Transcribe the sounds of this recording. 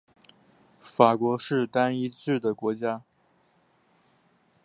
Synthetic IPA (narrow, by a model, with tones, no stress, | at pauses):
fa˨˩kwɔ˧˥ʂɻ̩˥˧t̪a˥ni˥ʈ͡ʂɻ̩˥˩d̪ə˩kwɔ˧˥t͡ɕja˥